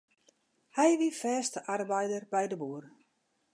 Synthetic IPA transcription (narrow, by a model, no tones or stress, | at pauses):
hɛjʋifɛːstəʔarbɛjdərbɛjdəbuər